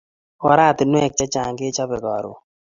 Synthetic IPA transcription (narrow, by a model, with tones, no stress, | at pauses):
ɔ˦ɾa˦˨t̪nwɛ˦˨k̚t͡ʃa˦t͡ʃa˨ŋɡɪ˦t͡ʃa˦bɛ˨ɡɔ˨ɾʊ̰˨